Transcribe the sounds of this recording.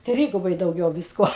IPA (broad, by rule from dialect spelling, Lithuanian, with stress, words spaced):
ˈtʲrʲiːɡʊbɐɪ dɐʊˈɡʲɛʊ ˈʋʲɪskuɔ